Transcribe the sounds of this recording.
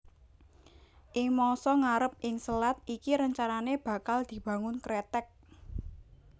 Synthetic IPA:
ʔɪŋmɔsɔŋaɾəp̚ʔɪŋsəlat̪̚ʔikiɾəɲt͡ʃananeb̥ä̤kald̪̥i̤b̥a̤ŋʊnkɾet̪ɛk̚

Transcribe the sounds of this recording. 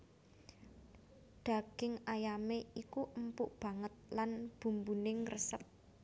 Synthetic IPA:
ɖ̪̥a̤ɡ̥ɪŋajameikuʔəmpʊʔb̥a̤ŋət̪̚lanb̥ṳmbunɪŋrəsəp̚

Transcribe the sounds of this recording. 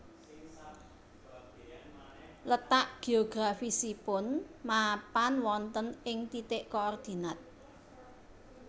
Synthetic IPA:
lət̪aʔɡ̥e̤oɡ̥ɾafisipʊnmapanwɔnt̪ənɪŋt̪it̪ɪʔkoɔrd̪̥i̤nat̪̚

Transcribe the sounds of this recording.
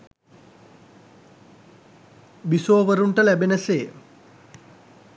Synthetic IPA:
bisoːʋəɾuɳʈəlæbenəseː

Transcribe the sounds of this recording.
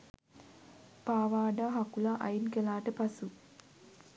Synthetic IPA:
paːʋaːɖaɦakulaʔajinkelaːʈəpasu

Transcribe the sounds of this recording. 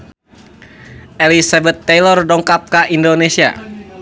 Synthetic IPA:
ʔelisabət̪ːelɔrdɔŋkap̚kaʔindonesia̰

